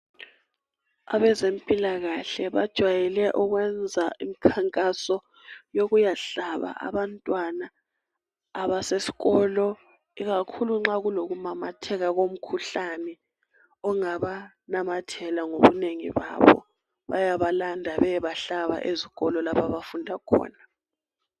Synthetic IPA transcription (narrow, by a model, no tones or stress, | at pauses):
aβɛzempʼilaɣaɬɛβad̥ʒ̥ʱwajɛlɛʔɔɣwɛnd͡zʱaimikʰaŋkʼasɔ | joɣujaɬaβa̰ʔa̰βantʼwanaː | βasesi̥ɣɔlɔ | iɣakʰuluŋ͡ǁaɣuloɣumamatʰɛɣaɣom̩kʰuɬanɛ | ɔŋaβa | namatʰɛlaŋoβuneŋḭβa̰βɔ̰ | βa̰jaβalandʱaβɛβaɬaβa̰ʔeziɣɔlɔlapʰaβafundʱakʰɔ̰ːna